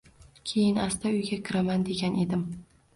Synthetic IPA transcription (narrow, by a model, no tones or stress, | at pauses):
kʲʰe̞jɪnast̪ʰaʊjɡʲakʲʰɪɾamand̪e̞ɡʲanʔe̞d̪ɪm